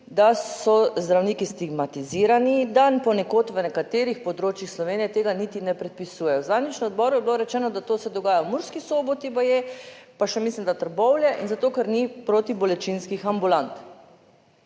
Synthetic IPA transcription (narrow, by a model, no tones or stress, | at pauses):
d̪asɔzd̪ɾawnikist̪iɡmat̪iziɾanid̪anpɔnɛkoːt̪ʋənɛkat̪eːɾixpɔd̪ɾoːt͡ʃjixslɔʋeːnijɛt̪eːɡanit̪inɛpɾɛt̪̚pisuːjɛjɔzaːd̪nit͡ʃnɛmɔd̪̚bɔɾujɛbiloɾɛt͡ʃɛːnɔd̪at̪oːsɛd̪ɔɡaːjawmuɾskisoːbɔt̪ibɐjepaʃɛmislimd̪at̪əɾbɔwljɛʔinzat̪oːkɛɾnipɾoːt̪ibɔlɛt͡ʃinskixambulant̪